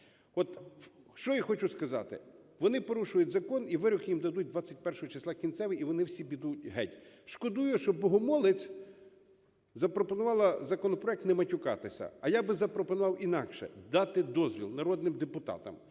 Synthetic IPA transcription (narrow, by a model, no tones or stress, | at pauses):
ɔt̪ʃt͡ʃɔjixɔt͡ʃʊskɐzɑ̰t̪ɪ̰ | ʋɔnɪpɔɾuʃʊjʊtʲzɐkɔniʋɪɾʊkjimd̪ɐd̪ut̚ʲd̪ʋɑt͡sʲːɐtʲpɛrʃɔɦɔt͡ʃeslˠɑkʲinsɛʋɪiʋɔnɪwsʲibʲid̪ut̚ʲɦɛtʲ | ʃkɔd̪ujʊʃt͡ʃɔbbɔɦɔmɔlˠɪt͡sʲ | zɐpɾɔpɔnʊʋɑlˠɐzɐkɔnɔpɾɔɛk̚t̪nemɐtʲʊkɑ̰t̪ɪsʲɐ̰ɐjabɪzɐpɾɔpɔnʊʋɑwinɑkʃɛ̰d̪ɑt̪ɪd̪ɔzʋʲḭlˠnɐɾɔd̪nɪmd̪epʊt̪ɑ̰t̪ɐ̰m